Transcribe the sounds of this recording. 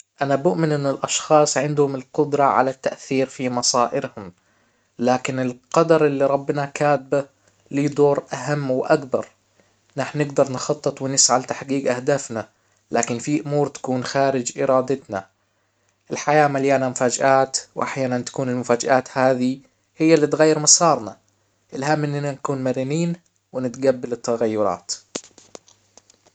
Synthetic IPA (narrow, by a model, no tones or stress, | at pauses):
ʔanabʊʔmɪnʔɪnːɪlʔɑʃxɑːsˤʕɪnd̪hʊmɪlqʊd̪ɾˤɑʕa̰lat̪ːaʔθiːɾfimɑsˤɑːʔɪɾhʊm | laːkɪnɪlqɑd̪ɑɾˤʔɪlːiɾˤɑbːnakaːt̪̚ba | lid̪oːɾʔaɦamːwʔakbɑ̰ɾˤ | naħnnɪɡd̪ɑɾˤnxɑt̪ˤːɨt̪ˤwɪnɪsʕalt̪aħɡiːɡʔahd̪aːfna | laːkɪnfiʔʊmuːɾt̪ḁkuːnxaːɾɪd͡ʒʔɪɾˤɑːd̪ɪt̪na̰ | ʔɪlħajaːmaljaːnamʊfaːd͡ʒʔaːt̪wʔaħjaːnant̪ḁkuːnɪlmʊfaːd͡ʒʔaːt̪haːði | hɪjːalːit̪ɣajːɪɾmɑsɑːɾˤna | ʔɪlhamːʔɪnːɪnanakuːnmaɾiːniːn | wɪnɪt̪ɡabːɪlɪt̪ːaɣajːʊɾˤɑ̰ːt̪